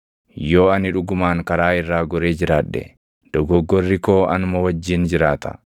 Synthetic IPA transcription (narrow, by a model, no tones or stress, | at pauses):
jo̞ːɐnɪᶑʊɡʊmaːŋkɐɾaːɪrːaːɡɔɾeːd͡ʒɪɾaːᶑːɛ̰ | d̪̥ɔɡɔɡːɔrːɪko̞ːʔɐnʊmɔwɐd͡ʒːɪnd͡ʒɪɾaːt̪ɐ̥̰